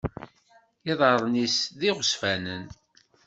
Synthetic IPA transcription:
iðˤəɾˤnisðiʁəsfænən

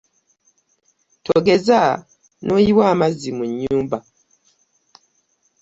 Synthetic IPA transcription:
tʰoɡeza | nojiwamazimuɲːuːmba

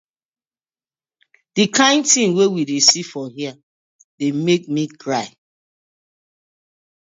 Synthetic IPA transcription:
d̥ikʰãɪ̃ntĩŋwewidesifɔɦia | demek̚mikɹaɪ

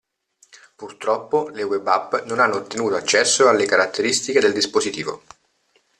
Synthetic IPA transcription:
purt̪ɾɔpːolewɛbapːnonanːoːt̪ːenuːt̪oat͡ʃːɛsːoalːekaɾat̪ːeɾist̪iked̪eld̪ispozit̪iːvo̰

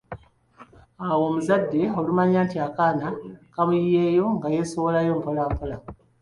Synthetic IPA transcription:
awo̞ːmuzadːe̞o̞lumaɲaːntiakaːnakaβujje̞ːjo̞ŋɡaje̞so̞βo̞lajo̞mpolaːmpola

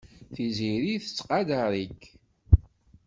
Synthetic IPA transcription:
θiziɾiθə̥t͡sːqɑd̪aɾˤikː

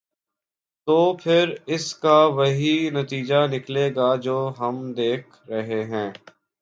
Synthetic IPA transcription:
t̪oːpʰɪɾɪskaʋɐɦinɐt̪iːd͡ʒanɪkleːɡad͡ʒoːɦɐmd̪eːkʰɾɐɦeɦɛ̃ː

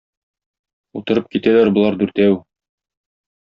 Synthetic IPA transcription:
ut̪ɤ̆ɾɤp̚kit̪ælæɾbŏlˠɑɾd̪ʉɾt̪æw

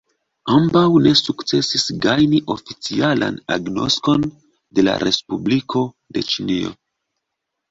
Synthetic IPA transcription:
ambawne̞sukt͡se̞sisɡajniʔo̞fit͡siala̰na̰ɡno̞̰sko̞n | de̞la̰ɾʔe̞spublikʰo̞ | de̞t͡ʃinio̞̰

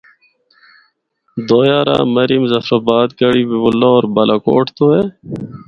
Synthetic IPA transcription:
d̪oːjaːɾa̰ːmɐɾimzɐfɾobaːd̪ɡɐɽiːbibʊlːoːɾbɐlaːko̰ːʈʰt̪oɦeː

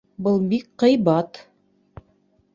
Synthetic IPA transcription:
bɤlˠbikqɤ̆jbɑt̪

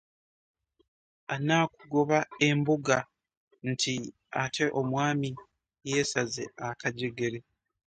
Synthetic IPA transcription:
anaːkuɡo̞βae̞mbuɡa | n̩tʰi | atʰe̞ʔo̞mwaːmi | je̞ːsazeakaɟe̞ɡe̞ɾe̞

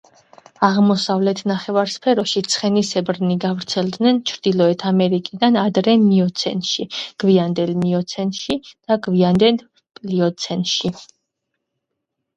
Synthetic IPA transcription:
aʁmɔsavlɛt̪ʰnaχɛvaɾspʰɛɾɔʃit̪sʰχɛnisɛbɾniɡavɾt̪sʰɛlˠd̪nɛnt͡ʃʰɾd̪̥ilˠɔɛt̪ʰamɛɾikʼid̪anad̪ɾɛmiɔt̪sʰɛ̰nʃiɡ̥viand̪ɛlmiɔt̪sʰɛnʃid̪̥aɡviand̪ɛn | pʼliɔt̪sʰɛnʃi

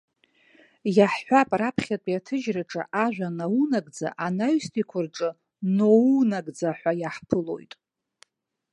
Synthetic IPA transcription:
jaħħʷapʼrapʰχʲatʼiatʰɨʒraʈ͡ʂʼa̰ʔaʒᶣʷanawunaɡʼd͡za̰ʔanaɥstʰikʷʰʊrʈ͡ʂʼɨ | nowunaɡʼd͡zaħʷajaħpʰɨlo̞̰jtʼ

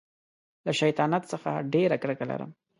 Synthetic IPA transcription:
laʃajt̪ɑnat̪səxaɖeɾakɽəkala̰ɾə̰m

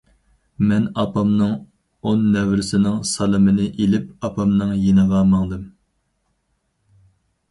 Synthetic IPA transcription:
mɛnɑpɑmnɨŋ | onːɛwɾɪsɪnɪŋsɑlˠɨmɪnɪʔelɪp̚ɑpʰɑmnɨŋjenɨʁɑmɑŋd̪ɨm

